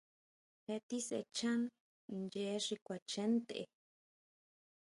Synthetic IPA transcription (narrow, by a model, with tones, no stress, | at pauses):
he˧t̪i˦sḛ˧t͡ʃã˦n | nd͡ʒe˧˦ʂi˧kʷa˨t͡ʃẽ˦nt̪ḛ˨